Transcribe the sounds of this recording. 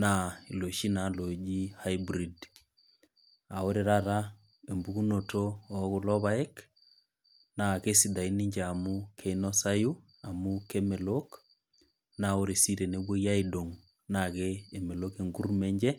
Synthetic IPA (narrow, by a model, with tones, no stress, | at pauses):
na˨i˨lo˨ʃi˦na˨lo˨d͡ʒi˦ha˦jbɾi˨d | a˨o˦ɾe˨ɾa˦ɾa˦ | e˨mbu˦ku˦no˨toː˦ku˨lɔ˦βa˦e˦k | na˨ke˦si˨da˨i˦ni˦ɲd͡ʒe˨a˨mukʰe˨inɔ˦sa˦ju˦ | a˨muke˦me˨lok | na˨o˦ɾe˨si˦ɾe˨ne˨˦bwo˦ja˦i˦do˨ŋ | na˨keː˨me˨loke˨ŋɡu˦rme˦ɲd͡ʒɛ˦